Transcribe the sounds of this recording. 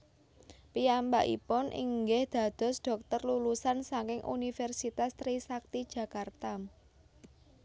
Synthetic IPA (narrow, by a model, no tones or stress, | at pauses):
piambaʔḭpʊnʔḭŋɡɛhd̪̥a̤d̪̥ɔ̤sd̥ɔ̤k̚t̪ɔrlulusansaŋkɪŋʔṵnifɛrsit̪ast̪ɾisak̚t̪id̥ʒ̥ä̤kart̪am